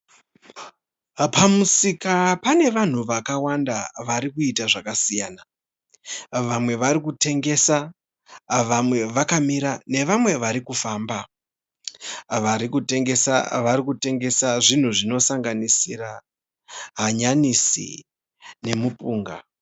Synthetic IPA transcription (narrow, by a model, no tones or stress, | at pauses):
pamusikapane̞ʋan̤uʋakawandaʋaɾikuitaʐakasijaːna | ʋamwe̞ʋaɾikute̞ŋɡe̞sa | ʋamwe̞ʋakamiɾane̞ʋamwe̞ʋaɾikufaːmba | ʋaɾikute̞ŋɡe̞sa̰ʋaɾikute̞ŋɡe̞saʐin̤uʐino̞saŋɡanisira | ɦaɲanisḭ | ne̞mupuːŋɡa̰